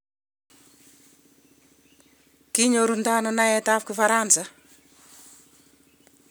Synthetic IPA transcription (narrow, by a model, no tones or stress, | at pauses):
kiɲoɾund̪ananajet̪afkufaɾansa